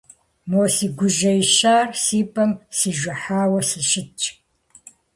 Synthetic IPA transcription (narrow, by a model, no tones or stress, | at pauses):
moːsiːɡʷʊʒɐjʃaːrsiːpʰʼɐmsiːʒʷɐħaːwɐsiʃɪt͡ʃʼ